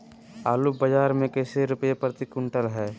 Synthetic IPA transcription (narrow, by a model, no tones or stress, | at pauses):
aːlubəd͡ʒaːɾmẽkɛːseɾʊpəjepɾət̪ɪkʊɳʈəlɦɛː